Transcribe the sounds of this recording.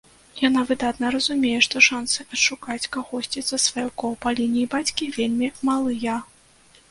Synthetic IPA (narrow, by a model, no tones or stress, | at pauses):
janavɨd̪at̪nɐɾɐzumʲejɛʂt̪ɔʂansɨʔɐtʂukat͡sʲkaɣɔsʲt͡sʲit̪sɐsvajɔkɔwpalʲinʲijbat͡sʲkʲivʲelʲmʲimalˠɨjɐ